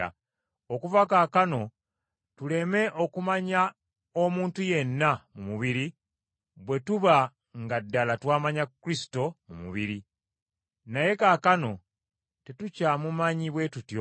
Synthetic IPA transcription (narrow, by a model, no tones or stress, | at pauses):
a̰ | okuvakaːkano̞ | tule̞me̞ʔo̞kumaɲa | omuːntuje̞nːamumuβiɾi | βwe̞tuβa | ŋɡadːalatwaːmaɲakːɾisi̥to̞mumṵβiɾi | naje̞kakano̞ | te̞tucamumaɲiβwe̞tutjo